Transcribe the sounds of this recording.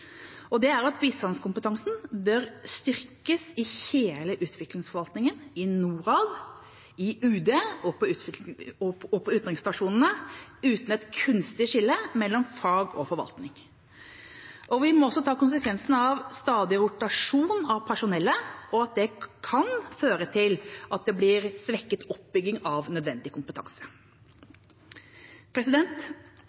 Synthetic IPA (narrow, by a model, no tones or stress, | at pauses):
ɔd̪ɛæɾɑt̪biːst̪ɑnskʊmpət̪ʰɑŋsn̩bœɾst̪ɪɾkəsɪheːləʔʉːt̪ʰʋɪklɪŋsfɔɾʋɑlt̪nɪŋənɪnuːɾɑːʋ̪ | ɪʉːd̪eːɔpʰɔʉːt̪ɔɔpʰɔʉːt̪nʁɪŋst̪ɑʂuːnən̩əʉːt̪n̩ɛt̪kʰʉnst̪ɪʂɪlːəmɛlːɔmfɑːɡɔ̰fɔɾʋɑ̰lt̪nɪŋ | ʔɔʋɪmɔɔsːɔt̪ʰɑːkʊns̬əkʰʋɛnsnəɑʋst̪ɑːd̪ɪɾʊʈ̪ɑʂuːnɑʋpʰæʂʊnɛlːəɔɑt̪̚d̪ɛkʰɑnføːɾət̪ʰɪlʔɑt̪̚d̪ɛblɪɾsʋɛkːət̪ʰɔp̚bʏɡːɪŋɑʋnœd̪ʋɛnd̪ɪkʰʊmpət̪ʰɑ̰ŋsə̥ | pʰɾɛsɪd̪ɛnt̪